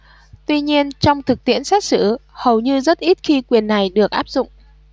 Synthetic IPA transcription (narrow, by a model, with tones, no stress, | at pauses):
t̪wi˧ɲi˧ənt͡ɕɔ˧wŋ͡mt̪ʰɨ˨˩k̚t̪ḭ˧˨ənsaː˦˥t̚sɨ̰˧˥hə˨˩wɲɨ˧zə˦˥t̚ʔi˦˥t̚xi˧kwi˨˩ənːa˨˩jɗɨ˨˩ək̚ʔaː˦˥p̚zʊ̰˧˨ŋ͡m